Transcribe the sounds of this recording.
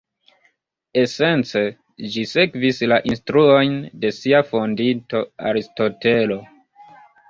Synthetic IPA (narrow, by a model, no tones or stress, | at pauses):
e̞se̞nt͡se̞ | d͡ʒise̞kvislaʔinstɾuo̞jnde̞siafondinto̞a̰ɾisto̞te̞lo̞